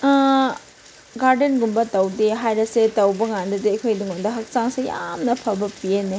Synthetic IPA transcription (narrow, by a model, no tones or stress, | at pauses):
ɡaɾdenɡumbɐtɐwdeɦajɾɐsetɐwbɐŋandɐdeːkʰojduŋondɐɦɐk̚saŋsejamnɐpʰɐbɐpiene